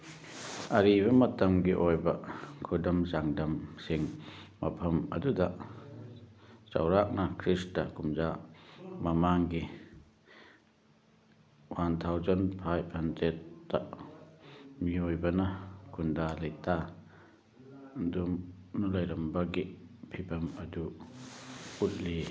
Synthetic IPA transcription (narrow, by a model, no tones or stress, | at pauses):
ɐɾiβɐmɐtɐmɡiʔojbɐkʰudɐmzaŋdɐmsiŋmɐpʰɐmɐ̰dudɐ | t͡ʃɐ̰wɾak̚nɐkʰɾistɐkumza | mɐmaŋɡi | want̪ʰawzɔnpʰajp̚hɐnzetːa̰ | miojbɐnɐkʰundalɐjtʰa | dumnulɐjlɐmbaɡipʰipʰɐmɐdu | ut̚li